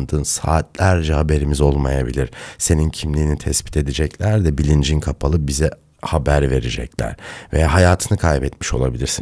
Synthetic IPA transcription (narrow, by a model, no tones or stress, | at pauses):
nd̪ɯːnsa̰ːt̪lʲæɾd͡ʒɛhabe̞ɾimizo̞lˠma̰jabilʲiɾ̥se̞nincʰimlʲiːnit̪ʰɛspi̥t̪ʰe̞d̪id͡ʒɛclʲæɾd̪ɛbilʲind͡ʒinkʰapʰalˠɯbizɛ | habæɾve̞ɾid͡ʒɛ̰clʲæ̰ɾ̥ve̞jaːɦajaːt̪ʰɯnɯkʰajbɛt̪miʃo̞lˠabilʲiɾsi